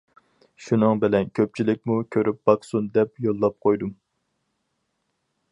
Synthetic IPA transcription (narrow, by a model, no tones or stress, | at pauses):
ʃunɨŋbɪlɛnkʲʰøp̚t͡ʃʰilɪk̚ʲmukʲʰøɾʔyp̚b̥ɑqsund̪ɛpjolˠːɑp̚qʰojd̪um